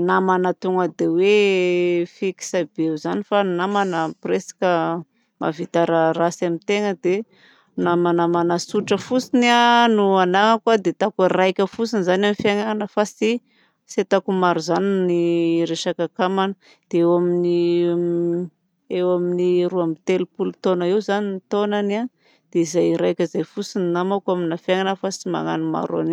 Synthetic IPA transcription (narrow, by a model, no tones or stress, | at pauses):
namanat̪uŋəd̪ewe | fiki̥sab̥euzanifanamanəpresḁkʲə | ma̰vit̪aɾarasamit̪eŋəd̪e | namanamanasuʈ͡ʂəfusinianuanaŋəkwad̪et̪akarajkʲəfusinizanamifiaŋaanəfasi | set̪akumaɾuzaniniɾeʃakakamanə | d̪̥eewamini | ewaminiɾuamit̪elupulut̪onaiwzaninit̪onana | d̪̥eizajɾajkʲəizajfusininamakaminafjaŋanəfasima̰ŋa̰nima̰ɾua̰ni